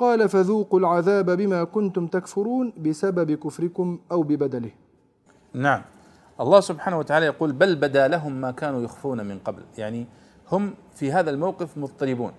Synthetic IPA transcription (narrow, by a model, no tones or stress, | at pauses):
qɑːlafaðuːqʊlʕaðaːbabɪmaːkʊnt̪ʊmt̪akfʊɾuːnbɪsababɪkʊfɾɪkʊmʔawbɪbad̪alɪh | naʕam | ʔɑlˤːɑːhsʊbħaːnawat̪aʕaːlajɑquːlbalbad̪alaɦʊmːaːkaːnuːjʊxfuːnamɪnqɑbljaʕni | hʊm | fiɦaːðalmawqɪfmʊt̪ˤːɑlɪbuːn